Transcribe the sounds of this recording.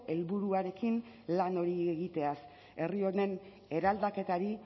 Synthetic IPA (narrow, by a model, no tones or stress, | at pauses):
e̞lβuɾuaɾe̞kin | lano̞ɾieɣit̪e̞as | e̞rio̞ne̞n | e̞ɾald̪ake̞t̪aɾi